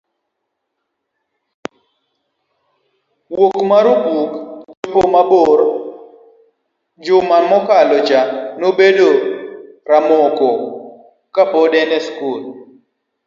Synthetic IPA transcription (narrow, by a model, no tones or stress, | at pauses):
wokmaɾuɡukd͡ʒd͡ʒopomaboɾ | d͡ʒʊmamɔkalɔd͡ʒanobedo | ɾamoko | kapɔdɛnɛskul